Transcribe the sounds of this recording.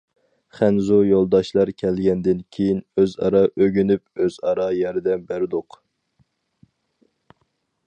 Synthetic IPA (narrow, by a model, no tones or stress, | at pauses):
χænzujolˠd̪ɑʃlˠɑɾkʲʰɛlɡʲɛnd̪ɪnkʲʰejinøzɑ̰ɾɑʔøɡʲynyp̚øzɑɾɑjɛɾɪd̪ɛnbæɾɪd̪ʊq